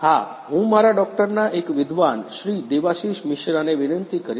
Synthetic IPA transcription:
ha | ɦũmaɾaɖɔk̚ʈəɾnaʔekʋɪd̪ʱʋanʃɾid̪eʋaʃiʃmɪʃɾaneʋɪnənt̪ikəɾ

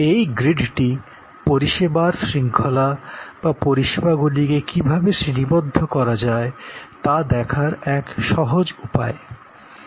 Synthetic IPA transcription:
ejɡɾiɖʈi | poɾiʃebaɾsɾiŋkʰolab̥apoɾiʃebaɡulikekibʱabeʃɾinibod̪ʱːokɔɾad͡ʑaet̪ad̪ɛkʰaɾɛkʃɔɦod͡ʑupa̰e

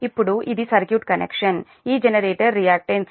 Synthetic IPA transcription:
ipːuɽuʔid̪isɐɾkjuːʈkɐnḛkʂɐn | iːd͡ʒenɐɾeːʈɐɾːijaːk̚ʈens

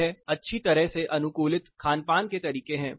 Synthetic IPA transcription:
ɦɛɐtːʃʰit̪ɐɾəɦseʔɐnʊkuːlɪt̪kʰaːnpaːnket̪ɐɾiːkeɦɛ̃ː

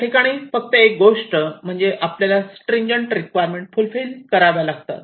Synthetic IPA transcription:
ʈikaɽ̃iːfək̚t̪əek̚ɡoʂʈəm̤əɳd͡zeʔapljalasʈɾẽɲd͡ʑəɳʈɾikʋajəɾmẽɳʈfulfilkəɾaʋjalaɡt̪a̰t̪

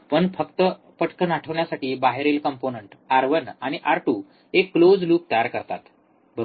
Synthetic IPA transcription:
pəɳfəkt̪ə | pəʈkənaʈʰəʋɳjasaʈiːbaɦeɾelkəmponəɳʈaɾʋənaɽ̃iʔaɾʈuː | ekːlod͡zluːp̚t̪əjaɾkəɾt̪at̪ | bəɾ

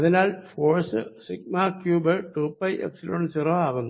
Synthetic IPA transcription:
ɐðinaːlfoːrsɨsikmaːkjuːbɐʈuːpːɐjʔḛksiloɳsiroːaːɣunːu

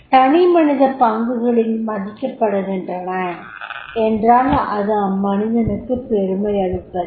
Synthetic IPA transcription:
t̪ɐɳimɐnɪðɐpɐŋɡɯɣɐɭɪlmɐðɪkːɐpːɐɽɐðɛndrɐnɐ | ɛndraːnɐʔɐðɐmɐnɪðɐnɯkːɯpeɾɯmɐɪɐɽɯpːɐðɯ

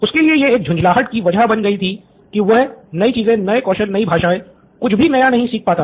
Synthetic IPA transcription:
ʊskeliejeeːk̚d͡ʒʱʊ̃ɲd͡ʒlaːɦəʈkiʋɐd͡ʒabɐnɡɐit̪ʰi | kiʋɐɦnɐit͡ʃiːzẽnɐekɔːʃəlnɐĩbʱaːʃaːẽ | kʊt͡ʃʰbʱinɐjanɐɦĩsiːk̚ʰpaːt̪a

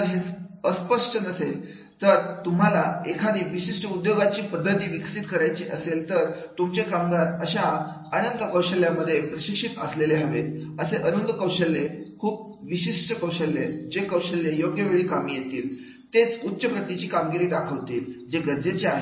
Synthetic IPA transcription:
ɦesəspəʂʈənəsel | t̪əɾt̪um̤alaekʰaniːʋiɕiʂʈəud̪joɡat͡ɕiːpəd̪ːət̪iːʋikʰsit̪kəɾajt͡ɕiʔəselt̪əɾt̪umt͡ɕekamɡat̪əɕa | ənənd̪əkəwɕəljaməd̪ʱːjepɾəɕikʂit̪əsleleɦaʋet̪əseʔənənd̪ʱəkəwɕəlːekʰuːp̚ | ʋiɕiʂʈəkəwɕəlːed͡ʑekəwɕəljejoɡjəʋeɭiːkamiːjet̪iːl | t̪et͡sut̪ːɕəbʱət̪it͡ɕiːkamɡiɾiːɖ̪akʰəʋt̪ḭːld͡ʑeɡəɾd͡zet͡ɕeaɦe

